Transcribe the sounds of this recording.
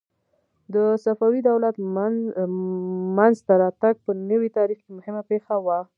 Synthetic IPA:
d̪əsafawid̪awlat̪ | manzt̪aɾɑt̪aɡ̚pənəwit̪ɑɾixkemʊhɪmapexawa

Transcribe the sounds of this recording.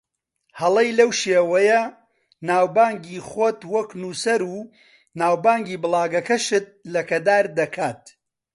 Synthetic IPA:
hɐlˠɐjlɐwʃeːwɐjɐ | naːwbaːŋɡiːχot̪wɐknuːsɐɾuː | naːwbaːŋɡiːbɨlˠaːɡɐkɐʃɨt̪̚lɐkɐd̪aːɾd̪ɐkʰaːt̪̚

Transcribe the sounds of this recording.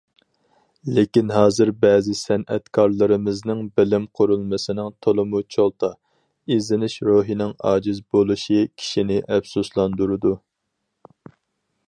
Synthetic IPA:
lekʲinɦɑːzɨɾbɛːzɪsɛnʔɛ̰t̪kʰɑɾlˠɨɾɨmɪznɪŋbɪlɪmqʰʊɾulˠmɨsɪnɪŋt̪ʰolˠɨmut͡ʃʰolˠt̪ʰɑ | izɪnɪʃɾoːɦinɪŋɑ̰ːd͡ʒizbolˠuʃikʲʰi̥ʃinɪʔɛfsuslˠɑnd̪uɾɨd̪u

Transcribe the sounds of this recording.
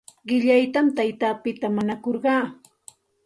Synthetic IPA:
ɢɪʎajt̪amt̪ajt̪aːpɪt̪amaɲakoɾɢɑː

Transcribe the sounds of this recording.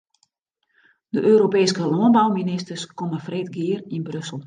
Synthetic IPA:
d̥əʔøːɾopeːskəlɔənbawminɪstəskɔməfreːtɡɪːərinbrøsəl̩ˠ

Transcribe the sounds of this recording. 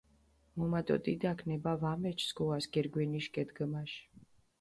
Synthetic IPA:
mɔmat̪ʼɔ̰t̪ʼid̪akʰnɛbavamɛt͡ʃʰsɡɔasɡɛɾɡwɛniʃkʼɛd̪ɡəmaʃ

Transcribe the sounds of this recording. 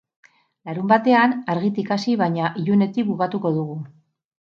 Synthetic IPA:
laɾumbat̪e̞anaɾɣit̪ikasiβ̞aɲaʔiʎune̞t̪ik̚bukat̪uko̞ðuɣ̞u

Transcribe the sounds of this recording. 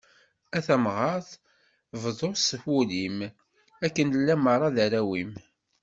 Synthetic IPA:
æθæmʁɑɾθ | vðˤosəfulim | ækːənəlːæmɑrˤːɑðæɾæwim

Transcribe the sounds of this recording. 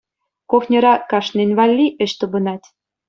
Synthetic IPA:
koxnʲɤ̆ɾɑkɑʃnenʲβɑlʲːiʔə̆ʃt̪ɤ̆bɤ̆nɑt̪ʲ

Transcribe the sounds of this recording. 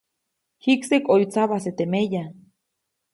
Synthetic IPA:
hiksekojt͡saβaset̪emeja

